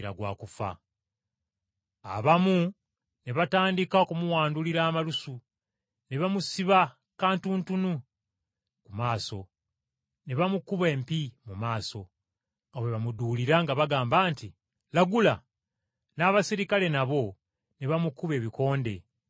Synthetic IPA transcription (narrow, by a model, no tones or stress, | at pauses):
ɾa̰ɡwa̰ːkufa̰ | a̰βamu | ne̞βataːndikaokumuwaːnduliɾaːmalusu | ne̞βamusiβa | kaːntuːntunu | kumaːso̞ | ne̞βamukuβe̞ːmpimumaːso̞ | awe̞βamuduliɾaŋɡaβaɡaːmbaːnti | laɡula | naːβasiɾikale̞naβo̞ | neβamukuβe̞ːβiko̞ːnde̞̰